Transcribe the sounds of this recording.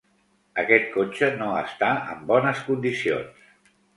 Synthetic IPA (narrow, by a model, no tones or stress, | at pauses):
əkɛt̪̚kot͡ʃənoə̰st̪aə̰mbɔnəskund̪isio̰ns